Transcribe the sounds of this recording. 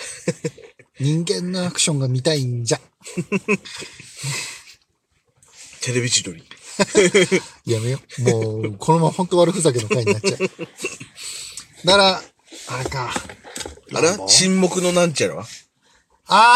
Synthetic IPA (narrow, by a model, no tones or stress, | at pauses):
ɲĩŋɡẽ̞nːo̞akɯ̥ɕõŋɡamʲit̪aiɲd͡ʑa | t̪ʰe̞ɾebʲit͡ɕid̪oɾʲi | jamejomoːkʰo̞nomãmhõ̞nt̪oβaɾɯ̟ɸɯzak̬enokaiɲat͡ɕːa | d̪aɾa | aɾeka | a̰ɾet͡ɕĩmːo̞kɯ̟no̞nãɲt͡ɕaɾɯβa̰ | a